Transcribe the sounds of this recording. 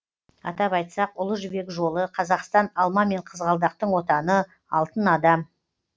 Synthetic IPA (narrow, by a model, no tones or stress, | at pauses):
ɑ̰t̪ɑpɑjt̪sɑqʊlˠəʒʏbe̞kʒo̞lˠəqʰɑzɑqst̪ɑnɑlˠmɑme̞ɴqʰəzʁɑlˠd̪ɑqt̪əɴwo̞t̪ɑnə | ɑlˠt̪ənɑd̪ɑm